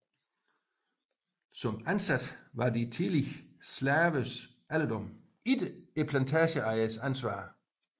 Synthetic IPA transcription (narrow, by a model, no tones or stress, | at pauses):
sɒ̽mænsæd̥ʋɑ̈dit͡sʰiliçslæːʋəs | ʔæld̥ɔm | id̥epʰlænt͡sʰæɕəɑ̈ɪəsænsʋɑ̰̈ː